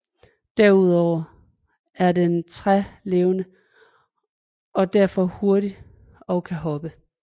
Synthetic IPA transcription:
d̥æɐuð̞̰ˠɒʊ̰ɐ | æɐdent͡sʰʁale̝ːʊnə | ɒ̽d̥æɐ̰fɒ̽ho̝ɐɾi | ɒ̽ʊkʰæɦɒ̽b̥ə

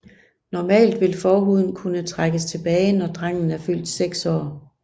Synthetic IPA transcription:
nɒmɛ̰ːld̥ʋe̝lfɒːɦuð̞̰ˠn̩kʰunət͡sʰʁaɡ̥əst͡sʰe̝b̥ɛːɪnɒd̥ʁaŋ̰n̩æɐfyl̰d̥seɡ̥sɒ̰ː

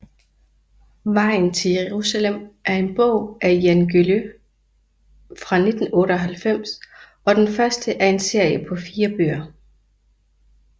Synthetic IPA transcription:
mɑ̈ɪ̰n̩t͡sʰe̝ljeʁusælem̰ʔæɐe̝nb̥ɔ̰ʊ̰ʔæjænɡ̥ylø | fʁɑ̈ne̝d̥n̩ɔ̽ːɾəɒ̽ɦælfem̰s | ɒ̽d̥enfɶɐsd̥əʔæɐe̝nse̝ɐ̰jəpʰɒ̽fiːɐb̥ø̰ɐ

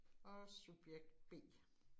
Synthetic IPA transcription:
ɒsub̥jeɡ̥̚d̥̚b̥e̝̰ː

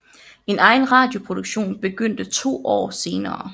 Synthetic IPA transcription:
e̝nɑ̈ɪn̩ʁɑ̈ːd̥jo̝pʰʁo̝d̥uɡ̥ɕo̝̰ːnb̥e̝ɡ̥øn̰d̥ət͡sʰo̝̰ːʔɒ̰ːse̝ːnɐː

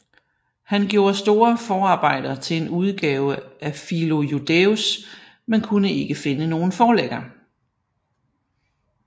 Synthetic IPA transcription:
hænɡ̥jo̝̰ːɐsd̥o̝ːɐfɒːɑ̈ːb̥ɑ̈ɪ̰d̥ɐt͡sʰe̝e̝nuð̞ˠɡ̥ɛːʊəʔæfilo̝jud̥eus | menkʰunəe̝ɡ̥əfe̝nəno̝ːn̩fɒːleɡ̥ɐ

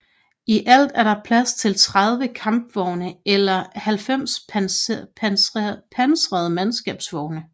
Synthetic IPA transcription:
iʔæl̰d̥æɐɾ̥ɑ̈pʰlæst͡sʰe̝lt͡sʰʁɑðˠʋəkʰɑ̈mb̥ʋɒʊnəelɐhælfem̰s | pʰænsʁɛð̞̩ˠmænsɡ̥ɛ̰ːb̥sʋɒʊnə

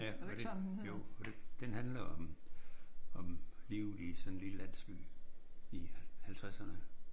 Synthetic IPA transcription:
æd̥ejoɒd̥ed̥enhænlɐɒ̽m | ɒ̽mliʊlisɒ̽nenliləlæn̰sɡ̥y̰ː | ihælt͡sʰʁasɐnə

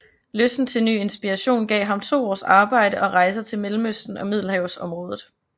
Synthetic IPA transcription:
løsd̥n̩t͡sʰe̝lny̰ːe̝nsb̥iʁɑɕo̝̰ːnɡ̥ɛ̰ːɦɑ̈mt͡sʰo̝̰ːɒ̰ːsɑ̈ːb̥ɑ̈ɪ̰ɾ̥əʔɒ̽ʁɑ̈ɪs̬ɐt͡sʰe̝lmelm̩øsd̥n̩ɒ̽mið̞̰ˠl̩ɦɛʊsɒ̽mʁɔ̽ːðˠð̩ˠ

